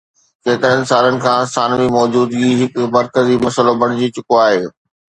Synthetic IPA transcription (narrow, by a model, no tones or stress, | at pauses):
keːt̪əɦənɪ̆saːlənɪ̆kʰãːsaːnʋimɔːd͡ʑuːd̪ɡiɦɪkʊmɐɾkəzimɐsəlobʱɐɽ̃ɪd͡ʑit͡ɕʊkoaːɦeː